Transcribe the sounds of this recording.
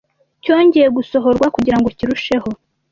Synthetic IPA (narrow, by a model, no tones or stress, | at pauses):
co̞ːɲɟeje̞ɡuso̞ɦo̞ɾɡwakuɟiɾaŋɡo̞ciɾuʃe̞ho̞